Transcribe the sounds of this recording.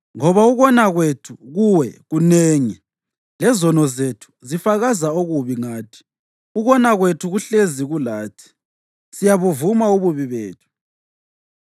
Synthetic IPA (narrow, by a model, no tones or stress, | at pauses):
ŋɔβauɣɔnaɣwetʰuɣuwɛ̰ɣuneːŋi | lɛzɔnɔzetʰu̥zifaɣazaoɣuβiŋaːtʰi̥ | uɣɔnaɣwetʰuɣuɬeziɣulaːtʰi̥ | sijaβuvumauβuβiβeːtʰu̥